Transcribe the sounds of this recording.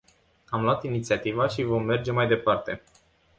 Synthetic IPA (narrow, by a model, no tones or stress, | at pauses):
amloat̪init̪siat̪ivaʃivo̞mːe̞rd͡ʒe̞majd̪e̞part̪e̞̰